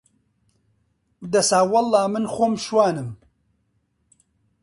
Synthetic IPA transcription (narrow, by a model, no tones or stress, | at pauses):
d̪ɐsaːwɐlːɑːmɨnxoːmʃwaːnɨm